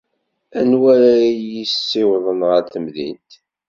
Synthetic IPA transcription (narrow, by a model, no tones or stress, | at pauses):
ænwæɾæjisːɪwðˤənʁəɾθəmðḭnt̪